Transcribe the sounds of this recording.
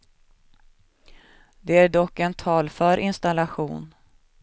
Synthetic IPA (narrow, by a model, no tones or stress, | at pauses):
d̪ɛæɖɔkːɛnt̪ʰɑːlfœɾʔɪnst̪alaɧṵːn